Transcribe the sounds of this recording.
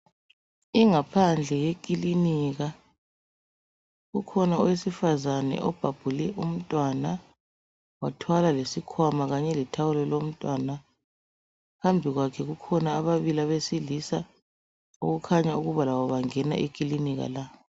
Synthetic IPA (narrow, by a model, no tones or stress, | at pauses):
iŋapʰand͡ɮʱɛjekʼiliniɣa | ɣukʰɔnawesifazanɛ̰ʔɔb̥ʱab̥ʱulɛʔum̩tʼwana | watʰwalalesikʰwamaɣaɲɛlitʰawulɔlom̩tʼwana | ɣambʱiɣwakʰɛɣukʰɔnaːβaβilaβesilisa | ṵɣukʰaɲauɣuβalawɔβaŋɛna̰ʔikʼiliniɣa̰la